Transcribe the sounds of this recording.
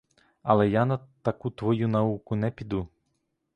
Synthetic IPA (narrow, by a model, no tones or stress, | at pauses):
ɐlˠɛjanɐt̪ɐkut̪ʋɔjunɐukʊnɛpʲid̪u